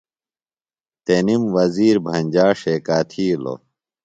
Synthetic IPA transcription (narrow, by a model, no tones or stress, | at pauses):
t̪enimwɐziːɾbʱɐɲʲd͡ʑaːʂekaːt̪ʰiːlo̰